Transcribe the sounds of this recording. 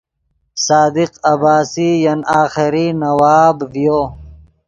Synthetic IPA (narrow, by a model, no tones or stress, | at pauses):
saːd̪iqɐbaːsijɐnaːxɪɾinɐwaːbvijoː